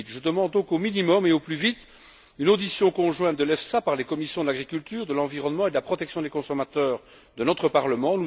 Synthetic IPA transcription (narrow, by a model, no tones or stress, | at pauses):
t̪ʒəd̪əmɑ̃d̪̚ːɔ̃kominimɔmeoplyvit̪ | ynod̪isjɔ̃kɔ̃ʒwɛ̃t̪̚d̪əlɛfsapaʁlekɔmisjɔ̃d̪əlaɡʁikʲylt̪yːʁd̪əlɑ̃viʁɔnmɑ̃ed̪əlapχɔt̪ɛksjɔ̃d̪ekɔ̃sɔmat̪œːʁ | d̪ənɔt̪χəpaʁləmɑ̃n